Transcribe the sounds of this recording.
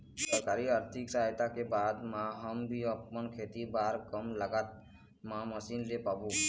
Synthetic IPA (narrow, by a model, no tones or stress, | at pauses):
səɾkaːɾiəɾt̪ʰɪksaɦt̪akebaːd̪mãɦəmbʱiəpːənkʰet̪ibaːɾkəmləɡat̪̚ | mãməsiːnlepaːbũ